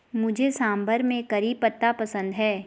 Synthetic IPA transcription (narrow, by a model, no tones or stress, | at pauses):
mʊd͡ʒʱesãːmbəɾmẽkɐɾiːpːət̪ːapɐsə̃nd̪ɦɛː